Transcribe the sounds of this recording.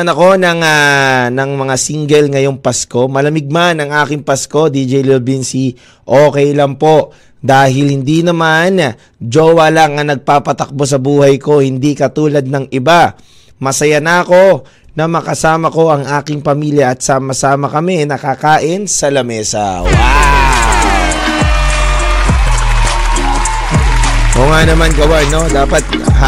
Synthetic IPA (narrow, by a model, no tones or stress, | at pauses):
ɐnɐko̞nɐŋanɐŋmɐŋasiŋɡɛlŋɐjo̞ŋpɐsko̞mɐlɐmɪɡ̚manɐŋʔaːkɪŋpɐsko̞d̪id͡ʒɛjlobinsi | ʔoːkɛjlɐŋpo̞ʔ | d̪aːɦɪlhɪnd̪inɐman | d͡ʒoːwɐlaŋɐnɐɡ̚paːpɐt̪ɐk̚bo̞s̬ɐbuːhɐjko̞hɪnd̪ikɐt̪uːlɐd̪̚nɐŋʔɪba | mɐsɐjanɐːko̞ | nɐmɐkɐsaːmɐko̞ʔɐŋʔaːkɪŋpɐmiːljɐɐt̪̚saːmɐsaːmɐkɐmɛnɐkakaːʔɪnsɐlɐmɛːsɐ̰wa | ʔoŋanɐmanɡɐwano̞d̪aːpɐt̪̚